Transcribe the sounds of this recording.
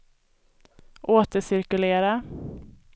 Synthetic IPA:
ʔoːt̪əʂɪɾkɵleːɾa

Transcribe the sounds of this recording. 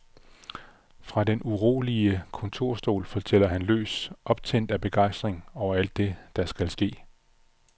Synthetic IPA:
fʁɑ̈denuʁo̝̰ːliəkʰɔ̽nt͡sʰo̝ɐ̰sd̥o̝̰ːlfɒ̽t͡sʰel̰ɐɦænlø̰ːsʔɒ̽b̥̚t͡sʰen̰d̥æb̥e̝ɡ̥ɑ̈ɪ̰sd̥ʁeŋɒʊɐæl̰d̥ːe̝d̥ɑ̈sɡ̥ælsɡ̥e̝̰ː

